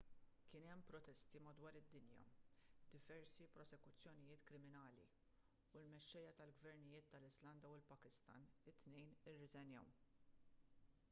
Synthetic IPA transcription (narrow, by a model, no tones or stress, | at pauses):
kɪːnɛmːpɾɔt̪ɛst̪imɐd̪wɐːɾɪd̪ːɪnjɐ̰d̪ɪvɛɾsipɾɔsɛkʊt͡sːjɔnɪjɪːt̪kɾɪmɪnɐːlḭ | ulmɛʃːɛjːɐt̪ɐlɡvɛɾnɪjɪːt̪ːɐlɪzlɐnd̪ɐwɪlpɐkɪst̪ɐ̰nɪt̪ːnɛjnɪrːɪzɛnjɛ̰w